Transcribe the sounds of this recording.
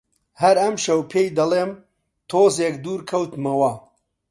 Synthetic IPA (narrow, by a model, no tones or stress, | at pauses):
hɐɾɐmʃɐwpʰeːjd̪ɐleːm | t̪ʰoːzeːkd̪uːɾkʰɐwt̪mɐwɐ